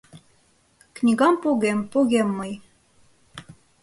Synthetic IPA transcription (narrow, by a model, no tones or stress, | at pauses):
knʲiɣɑmpuɣempuɣemːɤj